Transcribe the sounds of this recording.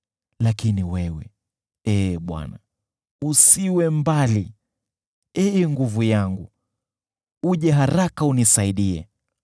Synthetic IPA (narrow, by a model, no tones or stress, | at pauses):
lakiniwɛwɛ̰ | ɛɓwa̰na | usiwɛmbali | ɛɛŋɡuvujaŋɡu | uʄɛɦaɾakaunisaiɗiɛ̰